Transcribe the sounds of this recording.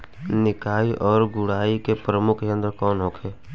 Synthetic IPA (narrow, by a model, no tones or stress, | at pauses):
nɪkaːiʔɔːɾɡʊɽ̤aːikepɾəmʊkʰkeə̃nd̪əɾkɔːnɦoːkʰeː